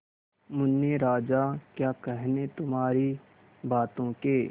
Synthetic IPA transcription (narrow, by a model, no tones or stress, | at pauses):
mʊnːjeɾaːd͡ʒakjaːkɛɦnet̪ʊmɦaːɾi | baːt̪õkeː